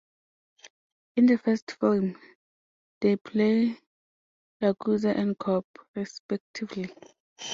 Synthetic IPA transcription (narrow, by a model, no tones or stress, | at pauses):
ĩndəfɛstfilm | depʰle | laɡuzaʔɛ̃nkʰɔpɹispɛk̚tʰivli